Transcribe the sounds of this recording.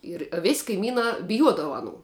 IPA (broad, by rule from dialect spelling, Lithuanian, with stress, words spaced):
ˈɪr ɐ ʋʲɪsʲ kɐɪˈmʲiːnɑː bʲɪˈjuɔdɐʋɐ ɐˈnuː